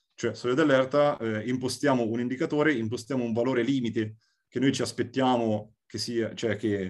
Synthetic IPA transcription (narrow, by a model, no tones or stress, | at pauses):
t͡ʃoɛsɔːlod̪alːɛrt̪aɛimpost̪jaːmounind̪ikat̪oːɾeimpost̪jaːmouɱvaloːɾeliːmit̪e | k̟enojt͡ʃiaspet̪ːjaːmo | kesiːat͡ʃoɛk̟ːe